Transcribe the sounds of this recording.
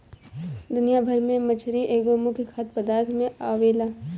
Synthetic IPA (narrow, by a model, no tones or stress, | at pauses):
d̪ʊnijabʱɐɾmẽmət͡ʃʰɾiʔeːɡoːmʊkekʰaːt̪̚pɐd̪aːɾt̪ʰmẽaːʋeːlaː